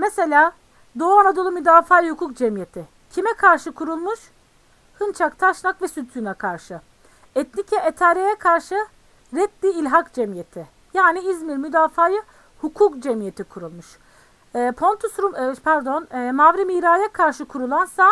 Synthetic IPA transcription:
mese̞lʲaː | d̪o̞anad̪o̞lˠumyd̪aːfaːjɯhukʰuk̚d͡ʒɛmjet̪ʰɪ | cʰimɛkʰaɾʃɯkʰuɾulˠmuʃ | hɯnt͡ʃʰakt̪ʰaʃlˠakvɛsyt̪ʰynɛkʰaɾʃɯ | ɛt̪nicʰɛʔet̪ʰaːɾejɛkʰaɾʃɯ | ɾɛt̪lʲiːlʲɦakd͡ʒɛmjet̪ʰɪ | jaːniizmiɾmyd̪aːfaːjɯ | hukʰukd͡ʒɛmijet̪ʰikʰuɾulˠmuʃː | pʰo̞nt̪ʰusɾumpʰæɾd̪o̞nːmavɾimiːɾaːjakʰaɾʃɯkʰuɾulˠansa

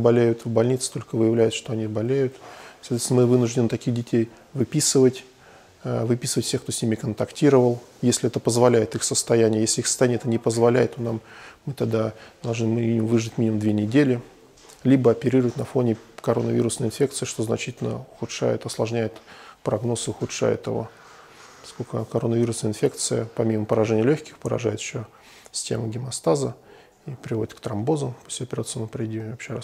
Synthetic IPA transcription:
bɐlʲejʊt̪vbɐlʲnʲit̪sɨ̥t̪o̞lʲkəvɨjɪvlʲæjɪt̪ʂt̪o̞ɐnʲibɐlʲejʊt̪sɐt̪vʲesnəmɨvɨnʊʐdʲɪnɨt̪ɐkʲiɣdʲɪtʲej | vɨpʲisɨvətʲ | vɨpʲisɨvətʲfsʲe̞xkt̪o̞sʲnʲimʲɪkənt̪ɐktʲiɾəvəlˠjesʲlʲɪɛt̪əpəzvɐlʲæjɪt̪ɨxsəst̪ɐjænʲɪjəjeslʲɪixsə̥t̪ɐjænʲjɛt̪ənʲɪpəzvɐlʲæ̰jɪt̪ːonamːɨt̪ɐɡ̚d̪ad̪ɐlˠʐnɨmiiɪmʊmvɨʐɨtʲmʲinʲɪmʊmd̪vʲenʲɪdʲelʲɪ | lʲibəɐpʲɪɾʲiɾəvətʲnɐfo̞nʲɪkɐɾo̞nəvʲḭɾʊsnəɪnfʲe̞kt̪sɨɪʂt̪oznɐt͡ɕitʲɪlʲnə̰ʊxʊtʂa̰jʊt̪ɐslˠɐʐnʲæjʊt̪pɾɐɡno̞sɨʊxʊtʂa̰jʊ̰t̪ɪvo̰ | pɐ̥skolʲkəkɐɾo̞nəvʲiɾʊsnəɪnfʲe̞k̚t̪sɨjəpɐmʲiməpəɾɐʐɛnʲɪəlʲoçʲkʲɪ̥xpəɾɐ̰ʐajɪt̪ɪ̥ɕo | sʲstʲemɨɡʲɪmɐst̪azə | ipɾʲɪvo̞dʲɪt̪̚kt̪ɾɐmbo̞zəpo̥sʲsʲʊɐpʲɪɾat̪sɨməpɾʲɪdʲivɐpɕeɾa

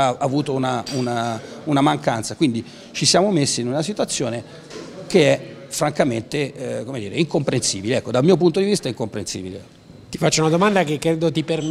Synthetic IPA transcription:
aːvuːt̪ounaunaunamaŋkant̪sakwind̪i | t͡ʃisjaːmomesːiːnunasit̪wat̪sːjoːne | keɛ | fɾaŋkament̪ekomed̪iːɾeiŋkompɾensiːbileɛkːod̪almiːop̬unt̪od̪ivist̪aɛiŋkompɾensḭːbile | t̪ifat͡ʃːounad̪omand̪akekːɾed̪ot̪iper

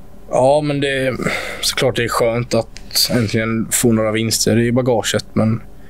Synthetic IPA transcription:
ɑːmɛnd̪ɛsɔ̥kʰlɑːʈ̚d̪ɛæɾɧøːnt̪at̪ | ɛnt̪ʰlɪɡənfoːnoːɾavɪnst̪ʰəɾɪbaɡɑːʂət̪mɛn

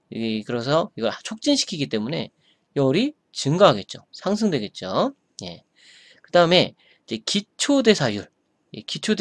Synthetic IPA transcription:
jɡikɯɾʌs̬ʰʌiɡʌɾat͡ɕʰok̚t͡ɕ͈inɕʰi̥kʰiɡit͈emune̞̰ | jʌɾi | t͡ɕɯŋɡaɦaɡe̞t̚t͡ɕ͈osʰaŋs̬ʰɯŋdwe̞ɡe̞t̚t͡ɕ͈o | je̞̰ | kɯdaɯme̞ | id͡ʑe̞kit͡ɕʰode̞sʰajuɭ | jḛkit͡ɕʰod

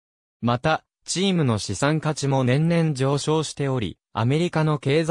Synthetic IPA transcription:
mat̪a | t͡ɕiːmɯ̟no̞ɕisãŋkat͡ɕimo̞ẽ̞nnẽ̞ɲd͡ʑo̞ːɕo̞ːɕi̥t̪e̞o̞ɾʲḭ | a̰me̞ɾʲikano̞ke̞ːz

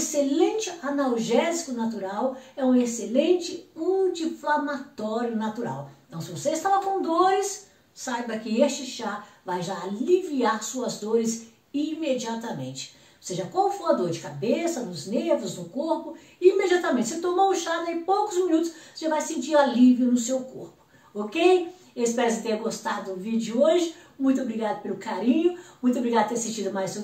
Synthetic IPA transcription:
eselẽnt͡ʃɪɐnawʒɛzikʊnat̪̬uɾawɛũeselẽnt͡ʃɪmud͡ʒiflamat̪ɔɾjʊnat̪uɾa̰wẽt̪ɐ̃w̃sɪvoseɪst̪avakõd̪oɾɪsː | ajbɐkɪest͡ʃɪʃavajʒaːliviaɾsuɐzd̪oɾɪs | imed͡ʒiat̪ɐmḛ̃t͡ʃɪ̥ | oseʒɐkõʊfuɐd̪oɾd͡ʒɪkabesɐnʊznevʊznʊkoɾpʊ | imed͡ʒiat̪ɐmẽnt͡ʃɪset̪omoʊ̃ʃad̪aipowkʊzmĩnut̪ʊ̥sevajsẽnt͡ʃiɾaliviʊnʊsewkoɾpʊ̥ | okej | espɛɾɐsɪt̪ẽɐɡost̪ad̪ʊʊvid͡ʒʊoʒɪmũj̃t̪̬obɾiɡad̪ʊpelʊkaɾĩɲʊmũj̃t̪̬obɾiɡad̪ʊt̪eɾsẽt͡ʃid̪ʊmajz

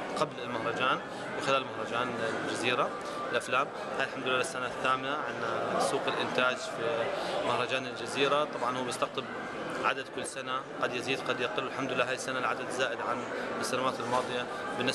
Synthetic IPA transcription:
qablɪlmahɾˤɑd͡ʒaːn | wɪxɪlaːlmahɾˤɑd͡ʒaːnɪd͡ʒaziːɾa | ɪlʔaflaːm | hajlħamd̪ʊlɪːasːanaθːaːmɪnaʕɪnsːuːqɪlʔɪnt̪aːd͡ʒfimahɾˤɑd͡ʒaːnɪld͡ʒaziːɾat̪ˤɑbʕɑnhuːbjɪst̪aɣt̪ɨb̚ | ʕad̪ad̪kʊlːsanaqɑd̪jɪziːd̪qɑd̪jaqɪlwɪlħamd̪ʊlɪlːaːɦaːjɪsːanalʕad̪ad̪zaːʔɪd̪ʕansːanawaːt̪ɪlmɑːðˤɨja | bɪnːɪ

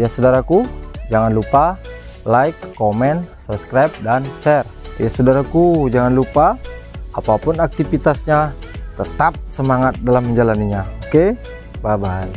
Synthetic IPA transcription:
jasodaɾakud͡ʒaŋanlupa | laikːomɛnsabskɾap̚danʃɛr | jasodaɾakud͡ʒaŋanlupaː | papʊnak̚t̪ifit̪asɲat̪ət̪ap̚səmaŋat̪̚dalamːəɲd͡ʒalaniɲaoke | babaj

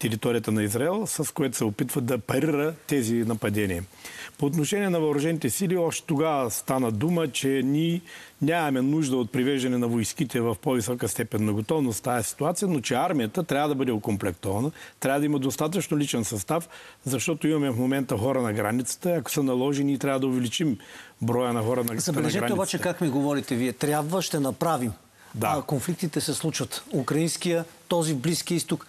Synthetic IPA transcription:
t̪ɛɾit̪ɔɾijət̪ənɐizɾaɛlˠsɐskojɛt̪o̥sɛopit̪vəd̪ɐpɐɾiɾət̪ɛzinɐpɐd̪ɛniɛpoːt̪̬noʃɛnʲiɛnɐvɐɾʊʒɛnit̪ɛsiliɔʃt̪ɛ̥t̪oɡavəst̪anəd̪umət͡ʃɛnʲinʲaɐmɛnuʒd̪əot̪̚pɾivɛʒd̪ɐnɛnɐvojsk̟it̪ɛvɐfpovisɔkəst̪ɛpɛnːɐɡot̪ɔvnost̪ːajɛsi̥t̪uat̪sijənot͡ʃɛaɾmijət̪ət̪ɾʲavəd̪ɐbəd̪ɛokomplɛkt̪ɔvɐnət̪ɾʲavəd̪ɐimɐd̪ost̪at̪ət͡ʃnolit͡ʃɛnsɐst̪afzɐʃt̪ɔt̪oimɐmɛfmomɛnt̪əxɔɾənɐɡɾanit̪sə̥t̪əiɐko̥sənɐlˠɔʒɛniːt̪ɾʲavəd̪ɐʊvɛlit͡ʃimbɾɔjənɐxɔɾənɐzɐbɛlɛʒɛɾaɛobat͡ʃɛkakmiɡovɔɾit̪ɛviɛt̪ɾʲjabvəʃt̪ɛnɐpɾavim | d̪akonflik̚t̪it̪ɛsɛslˠut͡ʃvət̪ukɾɐinskijət̪ɔzivbliskijəist̪uk

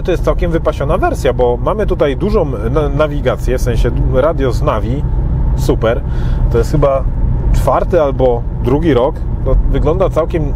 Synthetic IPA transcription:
t̪ɔjɛst̪sawkʲɛmvɘpaɕɔnavɛɾsʲjabɔmamɘt̪ut̪ajd̪uʐɔ̃w̪̃navʲiɡat̪sʲjɛfsɛ̃ɕɛɾad̪ʲjɔznavʲisupɛɾt̪ɔjɛst̪xɘbat͡ʂfaɾt̪ɘalbɔ | d̪ɾuɡʲiɾɔk | t̪ɔvɘɡlɔnd̪at̪sawkʲɛm

